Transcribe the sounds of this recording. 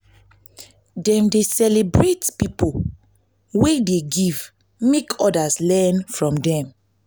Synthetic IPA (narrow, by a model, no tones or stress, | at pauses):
dɛ̃mdesɛlebɹetpipo | wedeɡiv | mekʰɔdaslɛnfɹɔ̃mdɛ̃m